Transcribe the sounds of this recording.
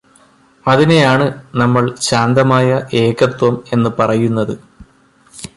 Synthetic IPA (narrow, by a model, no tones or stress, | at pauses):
ɐðinejaːɳɨnɐmːɐɭɕaːnd̪ɐmaːjɐʔe̞ːkːɐt̪wɐme̞nːɨpɐrɐjunːɐðɨ